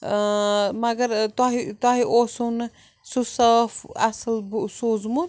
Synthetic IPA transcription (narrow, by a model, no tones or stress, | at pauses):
mɐɡɐɾt̪ɔɦit̪ɔɦiʔosun | susɐːfʰɐ̰sɐlbsuzmu